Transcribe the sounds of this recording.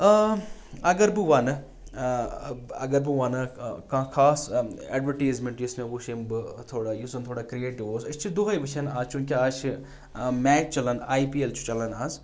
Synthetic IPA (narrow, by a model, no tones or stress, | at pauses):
ɐɡɐɾbɨʋanɨ | ɐ̰ɡɐɾbɨʋaːnɨkãːkʰaːsɛːɖʋɐɾʈiːzmẽɳʈjɪsmẽʋoʃimbɨt̪ʰoːɽajisɐnt̪ʰoːɽaːkɾijeːʈiʋoːsɐt͡ʃʰid̪uɦɐjʋɨt͡ʃʰɐnaːzt͡ʃʰunkʲiaːt͡ʃʰi | mɛːt͡ʃt͡ʃɐlɐnaːipiːelt͡ʃʰu̥t͡ʃɐlɐnaːz